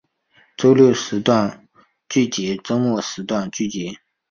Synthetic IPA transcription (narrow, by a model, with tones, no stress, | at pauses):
ʈ͡ʂo˥ʊljo˥˩ʊʂɻ̩˧˥t̪wa˥˧n | t͡ɕy˥˩t͡ɕɛ˧˥ʈ͡ʂo˥ŋwɔ˥˩ʂɻ̩˧˥t̪wa˥˧nt͡ɕy˥˩t͡ɕɛ˧˥